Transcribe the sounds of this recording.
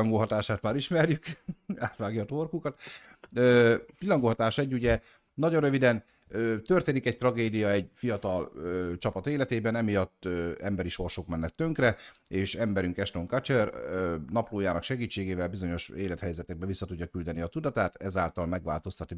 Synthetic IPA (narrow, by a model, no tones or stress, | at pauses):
ŋɡoɦɒt̪aːʃaːt̪maːɾiʃmɛrjykaːt̪ʋaːɡjɒt̪orkukɒt̪ | øːt̪ilːɒŋɡoːɦɒt̪aːʃɛɟːuɟɛ | nɒɟonrøvid̪ɛn | øːt̪ø̞rt̪eːnikɛc̚t̪rɒɡeːd̪ijɒɛɟfijɒt̪ɒløːt͡ʃɒpɒt̪eːlɛt̪eːbɛnɛmijɒt̪ːøɛ̰mbɛɾiʃo̞rʃoːkmɛnːɛt̪ːø̞ŋkrɛ | eːʃɛmbɛɾyŋkɛʃt̪oŋkɑt͡ʃɛrønɒploːjaːnɒkʃɛɡiːt͡ʃːeːɡeːvɛlbizo̞ɲo̞ʃeːlɛt̪hɛjzɛt̪ɛɡ̚bɛvisːɒt̪uɟːɒkyld̪ɛniɒt̪ud̪ɒt̪aːt̪ɛzaːlt̪ɒlmɛɡʋa̰ːlt̪o̞st̪ɒt̪i